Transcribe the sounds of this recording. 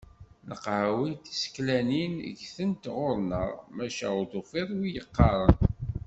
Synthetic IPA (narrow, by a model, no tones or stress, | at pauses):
nəqʕawit̪i̥sklæninə̰ʝθənt̪ʁʊɾˤnəʁmæʃæʊðʊfiɾˤwijəqːɑɾˤən